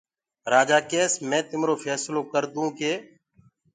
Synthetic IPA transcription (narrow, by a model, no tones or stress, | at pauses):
ɾaːd͡ʒaːkeːsmɛ̃ːt̪ɪmɾoːfʰɛːsloːkəɾd̪ũːkeː